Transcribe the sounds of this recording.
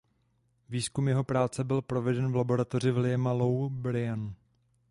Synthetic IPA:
viːskumjɛɦo̞pɾaːt͡sɛbɪlpɾo̞vɛdɛnvlabo̞ɾat̪o̞r̝ɪvlɪɛmalowbɾɪanu

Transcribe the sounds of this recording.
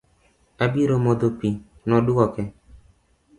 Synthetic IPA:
abiɾomod̪opi | nɔdʊkɔkɛ

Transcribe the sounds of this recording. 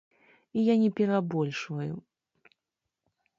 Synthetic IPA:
ijanʲɛpʲɛɾabɔlʲʂvɐjṵ

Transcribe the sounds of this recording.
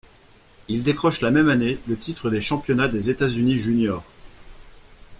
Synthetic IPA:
ild̪ekχɔʃlamɛmanelət̪it̪χəd̪eʃɑ̃pjɔnad̪ezet̪azyniʒynjɔːʁ

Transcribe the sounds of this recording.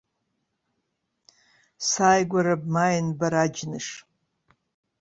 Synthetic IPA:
saːjɡʷaɾab̚majnbaɾad͡ʒnɨʂ

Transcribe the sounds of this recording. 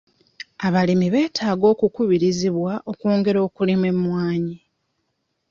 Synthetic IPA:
aβalimiβe̞ːtʰaːɡo̞ːkukuβiɾiziβwaʔo̞koːŋɡe̞ɾo̞ːkulimwe̞mwaːɲi

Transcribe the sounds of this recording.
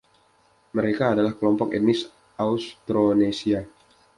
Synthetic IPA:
məɾekaːdalahkəlɔmpɔkɛ̰t̪̚nis | aust̪ɾonesia

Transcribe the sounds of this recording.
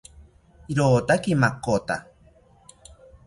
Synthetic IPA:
iɾoːt̪akimakot̪a

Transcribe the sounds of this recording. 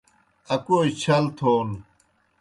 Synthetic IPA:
ɐkoːit͡ɕʰɐlt̪ʰoːn

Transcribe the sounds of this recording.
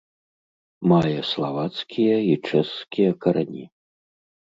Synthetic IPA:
majɛslˠavat̪skʲijɐit͡ʂɛskʲijɐkɐɾanʲḭ

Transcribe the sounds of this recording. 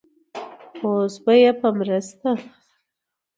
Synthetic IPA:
osbəjapəmɾəst̪a

